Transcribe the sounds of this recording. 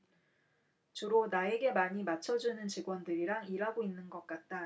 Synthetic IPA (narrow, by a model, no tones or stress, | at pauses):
t͡ɕuɾonae̞ɡe̞maɲimat͡ɕʰʌd͡ʑunɯnt͡ɕiɡwʌndɯɾiɾaŋiɾaɡoinːɯnɡʌk̚k͈at̚t͈a